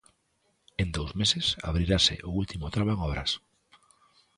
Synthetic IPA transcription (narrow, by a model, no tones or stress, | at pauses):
end̪owzmesɪsa̰β̞ɾiɾasɪ̰ʔʊult̪imʊt̪ɾaβoeŋɔβɾɐ̰s